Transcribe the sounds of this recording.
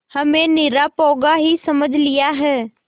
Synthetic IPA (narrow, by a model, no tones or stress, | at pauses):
hɐmẽnɪɾapɔːɡaɦisɐməd͡ʒʱlijaɦɛː